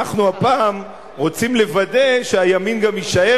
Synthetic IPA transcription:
aχnuapaːm | ʁo̞t͡simle̞vade̞ʃeajaminɡamiʃae

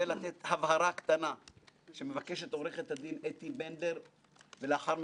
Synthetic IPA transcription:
elat̪et̪havhaɾakt̪anaʃe̞mevakeʃe̞t̪o̞ʁeχet̪had̪inet̪ibende̞ʁ | veleaχaʁm

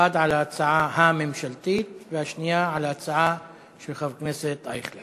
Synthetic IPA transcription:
ad̪ʕalat͡saʕahamemʃalt̪it̪vehaʃnijaʕalhat͡saʕa | ʃelχavkneset̪a̰jχle

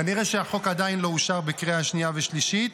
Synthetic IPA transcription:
aniʁeʃeaχo̞kad̪ainlo̞uʃaʁbekʁeaaʃniaveʃliʃit̪

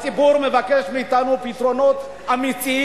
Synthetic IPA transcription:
t͡sibuɾmevakeʃmiːt̪anupit̪ɾo̞not̪ | amiti

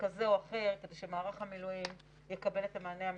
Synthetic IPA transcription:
kazeoaχe̞ʁke̞de̞ʃemaːʁaχhamilujim | jekabe̞letemaːneam

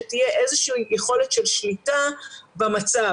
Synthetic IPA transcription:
etijeʔezeʃiːjeχo̞le̞tʃe̞lʃlitabamat͡sa

